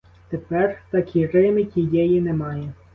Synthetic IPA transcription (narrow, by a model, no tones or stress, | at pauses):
t̪epɛrt̪ɐkʲʰirɪmɪkʲijɛjinɛmɑjɛ